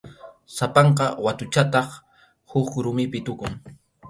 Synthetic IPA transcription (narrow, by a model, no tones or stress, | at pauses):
sapɑɴqɑwat̪ʊt͡ʃat̪ɑχ | hʊkɾʊmɪpɪt̪ʊkʊŋ